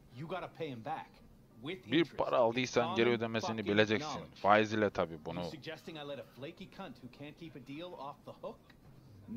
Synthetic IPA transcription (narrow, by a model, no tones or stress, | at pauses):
jɨɡɑɾəpʰeɪɨ̃mbæk | wɪðbiɾpʰa̰ɾʔaːlˠd̪ɯjsanɟeɾiød̪emesinibilʲe̞d͡ʒɛcsinfaːjizilʲɛt̪ʰabiːbunusɨɡ̚d͡ʒɛstɪ̃ŋaɪlɛɾəfleɪkikʰʌ̃nt̚hukʰæ̃nkʰipɨdilˠɔfðəhʊk